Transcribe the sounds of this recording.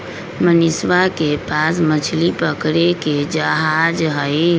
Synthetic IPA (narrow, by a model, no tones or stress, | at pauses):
mənɪswakepasmət͡ʃʰlipəkɾeked͡ʒəɦad͡ʒɦəi